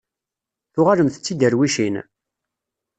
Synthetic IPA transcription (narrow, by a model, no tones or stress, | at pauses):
θʊʁaləmθə̥t͡sːid̪əɾwiʃin